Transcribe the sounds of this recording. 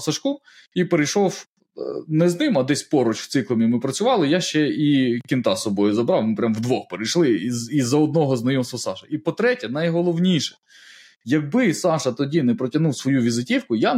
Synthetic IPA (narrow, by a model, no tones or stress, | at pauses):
sɐʃku | ipeɾejʃɔw | nɛznɪmɐd̪ɛsʲpɔɾɔt͡ʃw̥t̪sɪklˠɐmʲimɪpɾɐt͡sʲʊʋɑlˠɪjaʃt͡ʃɛikʲint̪ɑsɔbɔjʊzɐbɾɑwmɪpɾʲamwd̪ʋɔxpeɾɪjʃlˠɪizɐɔd̪̚nɔɦɔznɐjɔmst̪ʋɐsɑʃɐipɔt̪ɾɛtʲɛnɐjɦɔlˠɔwnʲijʃɛ̥ | jɐɡ̚bɪsɑʃɐt̪ɔdʲinɛpɾɔtʲɐnuwsʋɔjuʋʲizɪtʲiwkʊja